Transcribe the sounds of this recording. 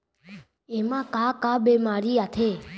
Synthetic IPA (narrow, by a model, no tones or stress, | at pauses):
eːmãːkãːkãːɓeːmaːɾiːaːt̪ʰeː